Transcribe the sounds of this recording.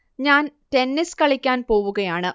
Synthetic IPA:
ɲaːntenːiskɐɭikʲːaːnpo̞ːʋuɣɐjaːɳɨ

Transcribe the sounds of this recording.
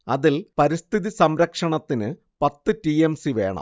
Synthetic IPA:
ɐðilpɐɾist̪ʰiðisɐmɾɐkʂɐɳɐt̪ːinɨ | pɐt̪ːɨtiemsiʋe̞ːɳɐ̰m

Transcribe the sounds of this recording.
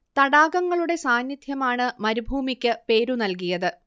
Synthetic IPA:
t̪ɐɽaːɡɐŋːɐɭuɽe̞saːnjid̪ʱjɐmaːɳɨmɐɾubʱuːmikʲːɨpe̞ːɾunɐlk̬ijɐðɨ

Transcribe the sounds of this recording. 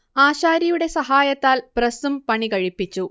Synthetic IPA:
aːɕaːɾɐjuɽe̞sɐɦaːjɐt̪ːaːlpɾɐsumpɐɳikɐɻipːit͡ɕːu

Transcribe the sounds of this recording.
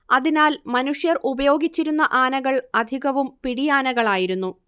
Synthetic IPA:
ɐðinaːlmɐnuʂjɐrubɐjo̞ːɡit͡ɕːiɾunːɐʔaːnɐɣɐɭɐd̪ʱiɣɐʋumpiɽijaːnɐɣɐɭaːjiɾunːu

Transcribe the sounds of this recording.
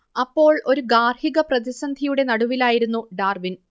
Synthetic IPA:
ɐpːo̞ːɭo̞ɾuɡaːrhiɣɐprɐðisɐnd̪ʱijuɽe̞nɐɽuʋilaːjiɾunːuɖaːrʋin

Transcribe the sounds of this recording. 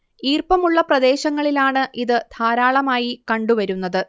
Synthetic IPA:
iːrpɐmuɭːɐprɐd̪e̞ːɕɐŋːɐɭilaːɳɨʔiðɨd̪̥ʱaːɾaːɭɐmaːjikɐɳɖuʋɐɾunːɐðɨ

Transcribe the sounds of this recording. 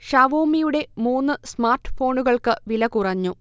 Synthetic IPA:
ɕaːʋoːmijuɽe̞muːnːɨsmaːrʈːɨ̥fo̞ːɳuɣɐɭkɨʋilɐkurɐɲːu

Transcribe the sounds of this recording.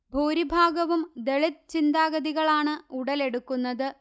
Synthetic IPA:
bʱuːɾibʱaːɡɐʋumd̪e̞ɭit̪̚t͡ɕind̪aːɡɐðiɣɐɭaːɳɨuɽɐle̞ɽukːunːɐðɨ

